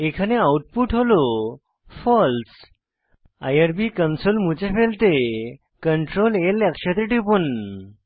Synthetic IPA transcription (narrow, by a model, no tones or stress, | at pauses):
ekʰaneawuʈ̚puʈɦolo | fɔls | a̰jəɾbikənsolmut͡ɕefelt̪e | kəɳʈɾolelakɕat̪eʈipun